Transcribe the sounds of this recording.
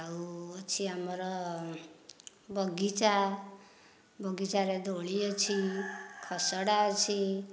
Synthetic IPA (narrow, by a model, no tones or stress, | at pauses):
awt͡sʰiamʌɾʌ | bʌɡit͡sa | bʌɡit͡saɾed̪ʱoɭijot͡sʰikʰʌsʌɽat͡sʰi